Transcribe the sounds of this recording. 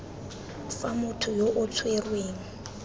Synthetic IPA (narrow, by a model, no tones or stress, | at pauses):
samʊtʰʊjoʔʊt͡sʰwerweːŋ̩